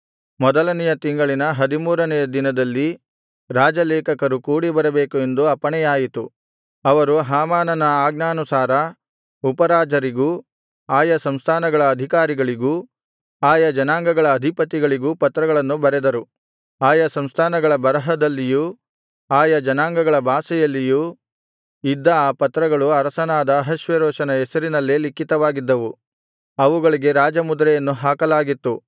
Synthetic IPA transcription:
mɔd̪ɐlɐnɛjɐt̪iŋɡɐɭinɐɦɐd̪imuːɾɐnɛjɐd̪inɐd̪ɐlːi | ɾaːd͡ʒɐlɛːkɐkɐɾukuːɽibɐɾɛbeːkue̞nd̪uɐpɐɳɛjaːjit̪u | ɐʋɐɾuɦaːmaːnɐnɐaːɡnaːnusaːɾɐ | upɐɾaːd͡ʒɐɾiɡuː | aːjɐsɐmst̪ʰaːnɐɡɐɭɐːd̪ʱikaːɾiɡɐɭiɡuː | aːjɐd͡ʒɐnaːŋɡɐɡɐɭɐːd̪ʱipɐt̪ːiɡɐɭiɡuːpɐt̪ːɾɐɡɐɭɐnːubɐɾɛd̪ɐɾu | aːjɐsɐmst̪ʰaːnɐɡɐɭɐbɐɾɐɦɐd̪ɐlːiju | aːjɐd͡ʒɐnaːŋɡɐɡɐɭɐbʱaːsɐjɐlːiju | id̪ːɐaːpɐt̪ɾɐɡɐɭuɐɾɐsɐnaːd̪ɐːɦɐʃʋeɾoːʃɐnɐɛsɐɾinɐlːilikːit̪ɐʋaːɡid̪ːɐʋu | ɐʋuɡɐɭiɡe̞ɾaːd͡ʒɐmud̪ɾɛjɐnːuɦaːkɐlaːɡit̪ːu

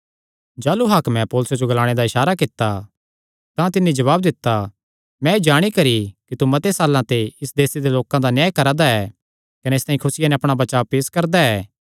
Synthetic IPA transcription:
d͡ʒaːluɦakmɛ̃poːlʊsed͡ʒoɡɐlaːɽ̃ed̪aɪʃaːɾakɪt̪ːa | t̪ãt̪ɪnːid͡ʒɐβaːb̚d̪ɪt̪ːa | mɛ̃ed͡ʒaːɽ̃ikɐɾikit̪umɐt̪esaːlːãt̪eɪsd̪eːsed̪eloːkãd̪anjaːjkɐɾad̪aɛ | kɐneɪst̪aːĩkʰʊsɪjanɛɐpɽ̃abɐt͡ʃaːʋpeːskɐɾd̪aɛː

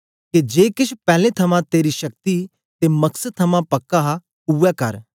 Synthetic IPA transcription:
ked͡ʒeːkɪʃʰpɛːlẽt̪ʰɐmãt̪eːɾiʃɐk̚t̪i | t̪emɐksət̪ʰɐmãpɐkːaɦa | uːɛkɐɾ

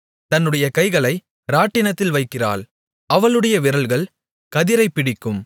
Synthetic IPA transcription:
t̪ɐnːɯɽɐjɐkɐɪɣɐɭɐɪ | ɾaːʈːɪnɐt̪ːɪlʋɐɪkːɪra̰ːl | ʔɐʋɐɭɯɽɐjɐʋɪɾɐɭɣɐɭ | kɐðɪɾɐɪpːɪɽɪkːɯm

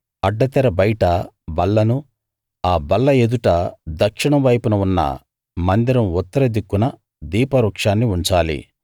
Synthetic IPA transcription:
ɐɖːɐt̪ɛɾɐbɐjʈɐ | bɐlːɐnu | aːbɐlːɐed̪uʈɐd̪ɐkʂiɳɐmʋɐjpunɐunːɐ̰ | mɐnd̪iɾɐmut̪ːɐɾɐd̪ikːunɐ | d̪iːpɐɾuːkʂaːnːiuɲt͡ʃaːlḭ

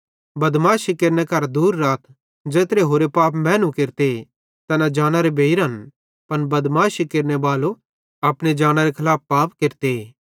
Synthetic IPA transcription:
bɐd̪maːʃikeɾnekɐɾd̪uːɾːaːt̪ʰ | d͡ʒeːt̪ɾeɦoːɾepaːpmɛ̃ːnũkeɾt̪e | t̪ɐnad͡ʒaːñaɾebʱeːiɾɦɐn | pɐnbɐd̪maːʃikeɾnebaːlo | ɐpɽ̃ed͡ʒaːɽ̃aɾekʰɐlaːpːaːpkeɾt̪e

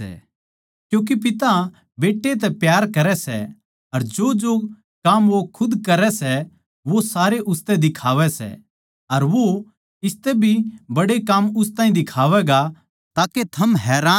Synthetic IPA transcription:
ɛ̰ | kjũːk̬ip̬ɪt̪a | beːʈːet̪̬ɛpjaːɾkɐɾɛsɛ̰ | ɐɾd͡ʒoːd͡ʒoː | kamʋokʰʊd̪kɐɾɛsɛ | ʋosaːɾeʔʊst̪ɛd̪ɪkʰaːʋɛsɛ̰ | ɐɾʋo | ɪst̪ɛbʱibɐɽekamʊst̪ãːĩd̪ɪkʰaːʋɛɡa | t̪aːket̪ʰɐmɦɛːɾaː

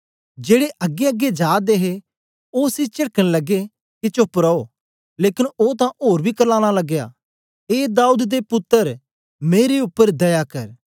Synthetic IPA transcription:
d͡ʒeːɽeʔɐɡeəɡed͡ʒaːd̪eɦe | oːsit͡ʃɪɽəkəɽlɐɡe | kit͡ʃʊpɾəo | leːkɪnoːt̪ãʔoːɾbʱikəɾlaːɽ̃alɐɡja̰ː | eːd̪aːuːd̪d̪epʊt̪ːəɾ | meːɾeʊpːəɾd̪ɐjakɐɾ

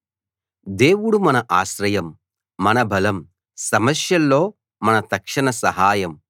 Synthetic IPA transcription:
d̪eːʋuɽumɐnɐʔaːʃɾɐjɐmː | ɐnɐbʱɐlɐm | sɐmɐsjɐlːo̞ː | mɐnɐt̪ɐkʂɐɳɐsɐɦaːjɐm

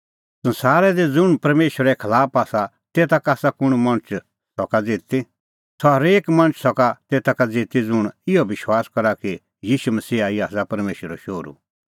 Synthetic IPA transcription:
sɐ̃nsaːɾɛd̪id͡zʊɽ̃pɐɾmeːʃwəɾɛkʰɐlaːpaːsa | t̪eːt̪akaːsakʊɽ̃mɐ̃ñt͡ʃ | sɔkad͡zeːt̪i | sʰɔɦɐɾeːkmɐ̃ñt͡ʃsɔkat̪eːt̪akad͡zeːt̪id͡zʊɽ̃ɪjɔʋɪʃwaːskɐɾaki | jiːʃumɐsiːaiaːsapɐɾmeːʃəɾɔʃoːɾṵ

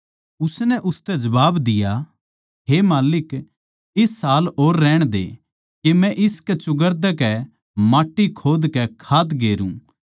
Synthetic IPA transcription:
ʊsnɛʔʊst̪ɛd͡ʒɐbaːbd̪ɪja | ɦemaːlɪk | ɪsːaːloːɾːɛːɽ̃d̪ḛː | kemɛ̃ʔɪskɛt͡ʃʊɡəɾd̪ɛkɛ | maːʈːikʰoːd̪kɛkʰaːt̪ɡeːɾṵ̃

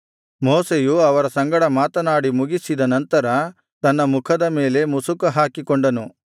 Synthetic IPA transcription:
mɔːsejuɐʋɐɾɐsɐŋɡɐɽɐmaːt̪ɐnaːɽimuɡisid̪ɐnɐnt̪ɐɾɐ | t̪ɐnːɐmukʰɐd̪ɐme̞ːle̞musukɐɦaːkikoɳɖɐnu

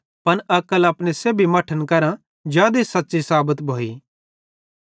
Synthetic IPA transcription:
pɐnɐkəlɐpɽeseːbʱimɐʈʰənkɐɾã | d͡ʒjaːd̪esɐtːʃisaːbət̪bʱoːiː

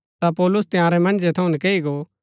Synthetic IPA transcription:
t̪apɔːlʊst̪ɪjãːɾɛmɐ̃ñd͡ʒet̪ʰɐũnikeːiɡo

